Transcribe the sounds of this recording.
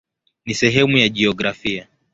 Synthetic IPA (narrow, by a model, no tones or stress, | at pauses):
nisɛɦɛmujaʄiɔɡɾafia